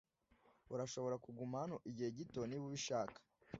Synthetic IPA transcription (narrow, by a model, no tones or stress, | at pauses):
uɾaʃo̞βo̞ɾakuɡumahanoʔiɟihe̞ɟito̞niβuβiʃaːkḁ